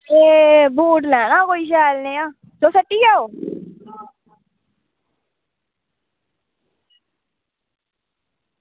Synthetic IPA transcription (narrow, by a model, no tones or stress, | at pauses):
eːbuːʈlɛːnãːkoːiːʃɛːlnẽːãː | t̪oːsəʈːiːɡaːoː